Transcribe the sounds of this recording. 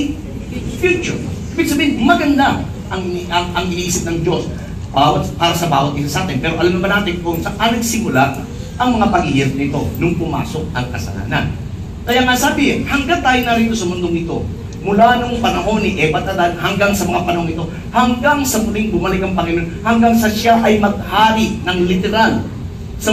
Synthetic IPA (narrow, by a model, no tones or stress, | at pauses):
fjut͡ʃʊ̰ʔibɪɡ̚sɐbiːhɪnmɐɡɐnd̪a | ʔɐŋɐŋɐŋʔɪʔiːsɪp̚nɐŋd͡ʒo̞s | bawɐt̪̚paːɾɐsɐba̰ːwɐt̪̚ɪt̪osɐaːt̪ɪnpɛːɾo̞ʔɐlamnɐmanaːt̪ɪŋponsɐʔɐnɐɡsɪmʊla | ʔɐŋmɐŋapɐɡiːhɪt̪̚nɪt̪o̞nʊŋpʊma̰ːso̞k̚ɐŋkɐsɐ̰la̰ːnɐ̰n | kɐjaŋasaːbɪhɐŋɡat̪aːjɪnɐɾiːt̪o̞sɐmʊnd̪oŋɪt̪o̞ | mʊlanoŋpɐnɐɦo̞nːɪʔɛbɐt̪ɐd̪anhɐŋɡaŋsɐmɐŋapɐnɐhoŋɪt̪o̞ | hɐŋɡaŋsɐmʊlɪŋbʊmɐlɪkɐŋpɐŋɐnonhɐŋɡaŋsɐʃaʔɐjmɐɡ̚haːɾɪʔnɐŋlɪt̪ɛɾal | sɐ